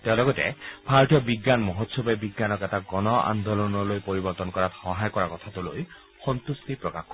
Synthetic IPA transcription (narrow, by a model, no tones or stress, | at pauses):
teʊ̃lɔɡɔtɛ̰b̥ʱaɹɔtijɔbiɡːanmɔɦɔtsɔbɛbiɡːanɔkɛtaɡɔnɔa̰nd̪olɔnɔlojpoɹibɔɹt̪ɔnkɔɹatxɔɦajkɔɹakɔt̪ʰatuloj | xɔnt̪ustipɹɔkaxkɔ